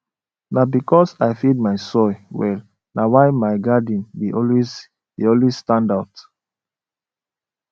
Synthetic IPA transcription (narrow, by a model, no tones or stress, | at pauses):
nabikɔsajfid̚maɪsɔjwɛ̰l | nawaɪmaɪɡadĩnbiʔɔlwiz | biɔlwisstãndaʊt